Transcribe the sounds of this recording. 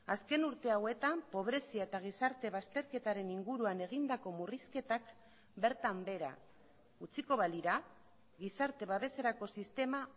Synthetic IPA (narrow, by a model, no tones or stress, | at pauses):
aske̞nuɾt̪e̞awe̞t̪ampo̞β̞ɾe̞siaet̪aɣ̞isaɾt̪e̞β̞ast̪e̞ɾke̞t̪aɾe̞niŋɡuɾuane̞ɣ̞ind̪ako̞muriske̞t̪ak | be̞ɾt̪ambe̞ɾa̰ | ut͡siko̞βaliɾa | ɣisaɾt̪e̞β̞aβe̞se̞ɾako̞sist̪e̞ma